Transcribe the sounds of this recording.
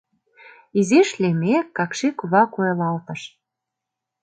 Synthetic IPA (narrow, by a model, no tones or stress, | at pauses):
izeʃlʲemekːɑkʃekuβɑkuelɑlt̪ə̆ʃ